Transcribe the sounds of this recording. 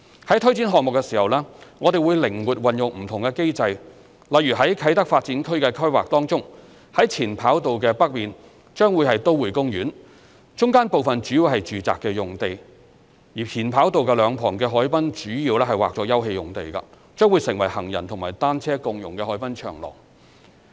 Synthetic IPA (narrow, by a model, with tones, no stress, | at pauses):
hɐ˨˥jt̪ʰɵ˥ɥt͡si˨˥nɦɔː˨k̚mʊ˨kːɛ˧siː˨˩hɐ˨wlɛː˥ŋɔː˨˧d̪e˨jwuː˨˧jlɪ˨˩ŋwuː˨˩t̚wɐ˨njʊ˨k̚m̩˨˩t̪ʰʊ˨˩ŋkɛː˧ke˥jt͡sɐ˧j | lɐ˨jɥyː˨˩ɦɐ˨˥jkʰɐ˨˥jt̪ɐ˥k̚faː˧t̚t͡siː˨˥nkʰɵ˥ɥkɛ˧kʰɵ˥waː˨k̚t̪ɔː˥ŋt͡sʊ˥ŋ | hɐ˨˥jt͡sʰiː˨˩npʰaː˨˥wt̪o˨wkɛː˧pɐ˥k̚miː˨n | t͡ʃœː˥ŋwuː˨˧jhɐ˨jt̪o˥wwuː˨˩jkʊ˥ŋɥyː˨˥n | t͡ʃʊ˥ŋkaː˥npo˨wfɐ˨nt͡ʃyː˨˥jiː˧wɦɐ˨jt͡ʃyː˨t͡sa̰ː˨kːɛː˧jʊ˨ŋt̪e˨j | jiː˨˩pʰiː˨˩npʰaː˨˥wt̪o˨wkɛː˧lœː˨˧ŋpʰɔː˨˩ŋkɛː˧ɦɔː˨˥jpɐ˥nt͡ʃyː˨˥jiː˧wlɛː˥ɦɐ˨jwaː˨k̚t͡sɔː˧jɐ˥whe˧jʊ˨ŋt̪e˨jkɐ̰˧ | t͡ʃœː˥ŋwuː˨˧jsɪ˨ŋwɐ˨˩jhɐ˨˩ŋjɐ̰˨˩nt̪ʰʊ˨˩ŋma̰ː˨˩jt̪aː˥nt͡sʰɛː˥kʊ˧ŋjʊ̰˨˩ŋkɛː˧hɔː˨˥jpɐ˥nt͡ʃʰœ̰ː˨˩ŋlɔ̰ː˨˩ŋ